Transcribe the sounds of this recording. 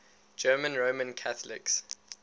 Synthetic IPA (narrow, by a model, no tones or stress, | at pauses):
d͡ʒɜːmə̃nɹoːmə̃nkʰaθəlɪ̰ks